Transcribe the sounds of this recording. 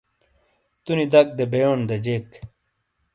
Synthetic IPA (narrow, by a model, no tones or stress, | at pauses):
t̪unid̪ɐk̚d̪ebejoːnd̪ɐd͡ʑek